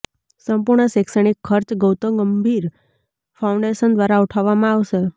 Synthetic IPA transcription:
səmpuɾɳəseksəɳikʰːəɾt͡ʃɡəwt̪oɡəmbʱiɾ | faũɳɖeʃənd̪ʋaɾauʈʰaʋːamãaʋʃe

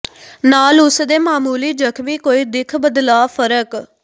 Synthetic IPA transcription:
naːlʊsd̪eːmaːmuːliːd͡ʒəkʰʋiːkoːiːd̪ɪkʰbəd̪laːpʰəɾək

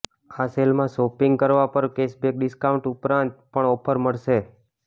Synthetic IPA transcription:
aselmãsopiŋɡkəɾʋapəɾkesbek̚ɖɪskauɳʈupɾãnt̪̚pəɳɔpʰəɾməɭʃe

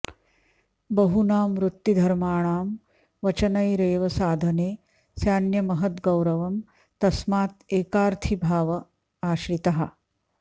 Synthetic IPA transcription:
bɐɦunaːmʋɾut̪ːid̪ʱɐɾmaːɳ̃aːm | ʋɐt͡ʃɐnɐjɾeːʋɐsaːd̪ʱɐneː | sjaːnjɐmɐɦɐt̪ɡɐwɾɐʋɐm | t̪ɐsmaːt̪eːkaːɾt̪ʰibʱaːʋɐ | aːʃɾit̪ɐɦɐ

